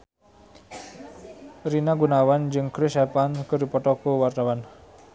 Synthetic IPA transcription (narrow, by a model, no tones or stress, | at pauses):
rinaɡunawand͡ʒɨŋkɾɪsɛpankəɾupɔʈɔkowart̪awan